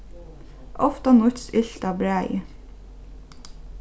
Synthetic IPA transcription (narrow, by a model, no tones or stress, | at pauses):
ʔɔft̪ɑnʊt̪sɪɬt̪ɑbɹæɪ